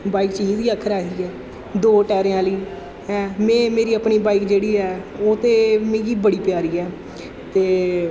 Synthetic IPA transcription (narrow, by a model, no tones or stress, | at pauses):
baːikt͡ʃiːziːəkʰːəɾaːiːɛː | d̪oːʈɛːɾẽãːliː | ɛ̃ːmɛ̃ːmeːɾiːəpɳiːbaːikd͡ʒeːɽiːɛːoːt̪eːmɪ̃ːɡiːbəɽiːpjaːɾiːɛː | t̪eː